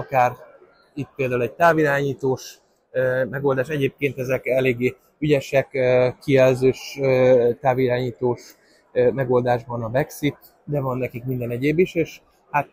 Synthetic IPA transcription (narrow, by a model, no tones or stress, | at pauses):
ɒkaːr | it̪̚peːld̪aːulɛɟ̚t̪aːviɾaːɲiːt̪oːʃ | ømɛɡo̞ld̪aːʃɛɟeːp̚keːnt̪ɛzɛkɛleːɡːeː | yɟɛʃɛkøkːiɛlzøːʃøt̪aːviɾaːɲiːt̪oːʃ | mɛɡo̞ld̪aːʒbɒnɒbɛksit̪ | d̪ɛvɒnːɛkikmind̪ɛnɛɟeːbiʃeːʃ | hat̪